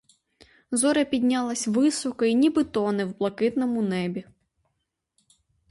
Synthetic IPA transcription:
zɔɾɐpʲid̪ʲnʲalˠɐsʲʋɪsɔkɔinʲibɨt̪ɔnɛwblˠɐkɪt̪nɔmʊnɛbʲi

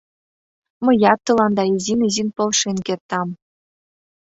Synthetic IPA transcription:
mɤ̆jɑt̪ːɤ̆lˠɑnd̪ɑizinʲizinʲpɤ̆lˠʂenʲkʲert̪ːɑm

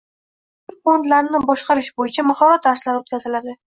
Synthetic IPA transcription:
ɪɾfond̪laɾnɪbɒʃqɑɾɪʃbojɪt͡ʃʰamahɒɾat̪̚ːaɾslaɾɪot̪kʲʰazɪlad̪ɪ

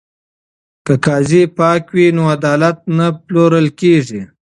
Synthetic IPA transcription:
kəkɑːzipɑːkwinoad̪ɑːlat̪̚naploɾəlkeʐi

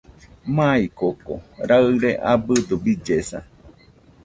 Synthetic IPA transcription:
mãikoko̰ɾaɨɾeʔabɨd̪ubid͡ʒesa̰

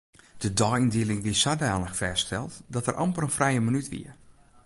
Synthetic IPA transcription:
d̥ədɔːindiəlɪŋʋiəsadaːləxfɛstɛlˠtdɔtərʔɔ̰mpərənfrɛjəmənytʋḭə

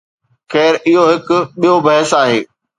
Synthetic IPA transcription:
xɛːɾɪɦoɦɪkʊɓijobɐɦəsaːɦeː

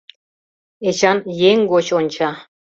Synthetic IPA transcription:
et͡ɕɑnjeŋɡot͡ɕonʲt͡ɕɑ

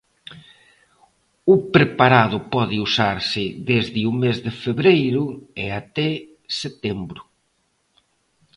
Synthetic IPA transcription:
ʊpɾepaɾað̞ʊpɔðɪusaɾsɪðezðɪumezðɪfeβɾejɾʊeat̪ɛ | set̪embɾʊ

